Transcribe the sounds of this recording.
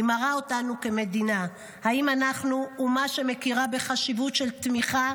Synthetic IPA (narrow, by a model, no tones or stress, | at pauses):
maʁao̞tanuke̞me̞dina | haimanaχnuːmaʃe̞me̞kiʁabe̞χaʃivutʃe̞lt̪miχa